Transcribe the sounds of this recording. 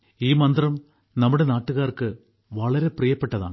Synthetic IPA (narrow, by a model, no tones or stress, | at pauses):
iːmɐnd̪rɐm | nɐmːuɽe̞naːʈːuɣaːrkɨ | ʋɐɭɐɾe̞prijɐpːeʈːɐða̰ː